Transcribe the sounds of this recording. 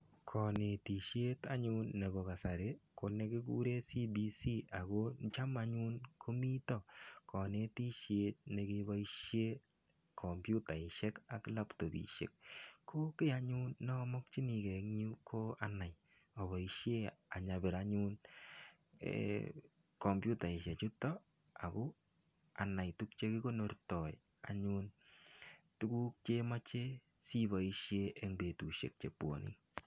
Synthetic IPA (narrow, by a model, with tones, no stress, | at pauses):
kʰɔ˨ne˨ti˨ʃje˦ta̰˦ɲunːɛ˨bɔ˨ka˨sa˨ɾe˦kʰo˨ne˦kɪ˦k̬ṵ˦ɾe˦si˦bi˨si˦ʔa˨ɣo˦t͡ʃa˦ma˦ɲu˦nkʰo˦mi˦tɔ˦kʰɔ˨ne˨ti˦ʃje˨t̚ne˨ke˦ba˦iʃje˦ | kʰɔ˨mbju˦ta˨ɪ˨ʃɛ˦ka˨kla˦pto˨bḭ˨ʃḛ˨kkʰːo˦kɪ˦a˦ɲu˦nːɔ˦mɔ˦k̚t͡ʃi˦ni˨kɛ˨kɲu˦kʰo˦ana˨j | ɔ˨bɔ˨i˦ʃje˦a˨ɲa˨bɛ˨ɾa˦ɲu˦n | kɔ˨mbju˦ta˨ɪ˨ʃe˨t͡ʃʊ˦tɔ˦ | a̰˨ku˦ | a˨na˨jtu˦k̚t͡ʃe˦ki˦ko˦no˨rtɔ˨j | a̰ɲu˦n | tu˦ku˦k̚t͡ʃe˦ma˦t͡ʃe˦ | si˦ba˨i˦ʃje˦ʔe˦ŋbe˨tu˨ʃḛ˨k̚t͡ʃe˨pwo̰˨nḭ˦